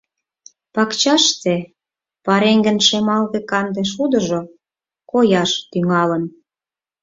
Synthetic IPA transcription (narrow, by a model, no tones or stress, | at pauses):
pɑkt͡ɕɑʃt͡se | pɑɾeŋɡə̆nʃemɑld̪ĕkɑnd̪eʃ̬ud̪ə̆ʒo | kojɑʃt̪yŋɑlən